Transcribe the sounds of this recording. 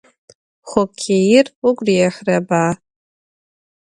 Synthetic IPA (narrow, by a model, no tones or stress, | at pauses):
χʷokʲʰejɪrukʷʼrijaħʷrabaː